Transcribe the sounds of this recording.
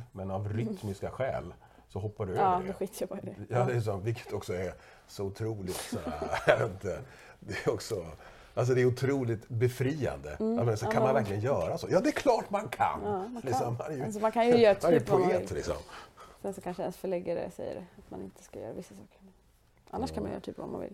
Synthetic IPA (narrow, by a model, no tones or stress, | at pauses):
mɛnavɾʏt̪mɪskaɧɛ̰ːl | sɔɦɔpːaɖɵøːd̪ɔɧiːt̪əjabdɛjɑːlɪs̬ɔmvɪkʰːə̥t̪ʰɔksɔɛ | sɔʊt̪ʰɾuːlɪt̪saajavḛɾɪnt̪ə | d̪ɛɔksɔ | als̬ɔd̪ɛːɾʊt̪ʰɾuːlɪt̪bɛfɾiːa̰nd̪ə̰at̪mɛnasɛkʰanmanvæɾklɪɡənjœːɾaso̰ːjɑːd̪ɛːkʰlɑːʈmankʰa̰nːlɪksɔmːanɛɾjsɔmankʰanjəjœːɾat̪ʰmanɛjpʊeːɪllɪ̰ksɔ̰msɛnsɔkʰanʂəd̪ɛnsfœɭɛɡaɾə̰sɛjːə̰ɾat̪manɪ̰nt̪ə̥skajœ̰ːɾa̰vɪsːasɑːkəɾmɛn | ʔa̰nːaʂkʰanmanjœ̰ːɾat̪y̰ːpvɔ̰ma̰nvɪ̰l